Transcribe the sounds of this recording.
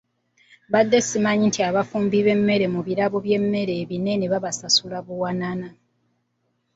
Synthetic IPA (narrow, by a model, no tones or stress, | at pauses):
βad̪ːe̞simaɲintʰiaβafuːmbiβe̞mːe̞ɾe̞muβiɾaβo̞βje̞mːe̞ɾe̞ːβine̞ne̞βaβasasulaβuwanana